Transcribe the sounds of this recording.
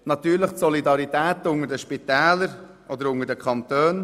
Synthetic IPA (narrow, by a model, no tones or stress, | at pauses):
nɑt̪yːɾləχtsɔlidɑɾitɛːtʊŋədəʃpitɛːləɾ | ʔɔd̪əɾʊŋəɾdəkχɑnt̪øːn